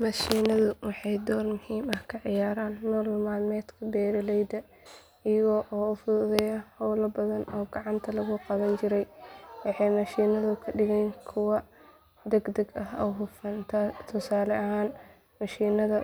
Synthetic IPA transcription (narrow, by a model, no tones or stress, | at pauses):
mɐʃiːnɐðʊwɑħɑjd̪ɔːrmʊhiːmɐhkʰɐʕɪjaːɾaːnːuːlmaːlmɛːt̪kʰɐbɛːɾɐlɛjd̪ɐ | ɪjɐɣɔːʔɔːʊfʊðɛjɐhɔwlɐbɐðɐnɔːɡɑʕɑnt̪ʰɐlɐɣʊqɑβɐnt͡ʃɪɾɛjwɑħɑjmɐʃiːnɐðʊkʰɐɖɪɣɛnkʰʊwɑ | d̪ɛɡd̪ɐɡɐɦɔɦʊfɐnt̪ʰɐt̪ʰʊsaːlɛʔɐɦaːn | mɐʃiːnɐðɐ